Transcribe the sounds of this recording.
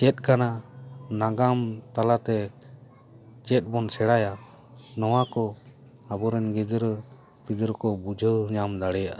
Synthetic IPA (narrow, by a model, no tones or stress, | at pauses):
t͡ʃɛt̪̚ˀkananaɡamt̪alat̪ɛ | t͡ʃɛt̪̚ˀbɔnsɛɽaja | nɔwakɔ | abɔɾɛnɡid̪ɾ | bid̪əɾkɔbud͡ʒʱəɲamd̪aɽɛjaʔ